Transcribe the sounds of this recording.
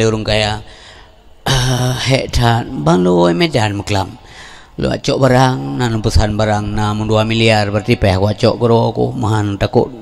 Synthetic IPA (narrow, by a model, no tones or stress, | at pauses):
iuɾuŋkaja | əhɛʔtʰan̚baŋluimedanməkəlam | lṵʔa̰t͡ʃɔʔbaɾaŋnanumpəsanbaɾaŋnamunduamiliarbərt̪ipɛhkuat͡ʃɔʔkəɾokṵmaɦanut̪akṵt̚